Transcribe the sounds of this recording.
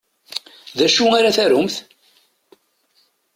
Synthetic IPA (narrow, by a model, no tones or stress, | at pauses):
ðæʃuaɾaθæɾʊmθ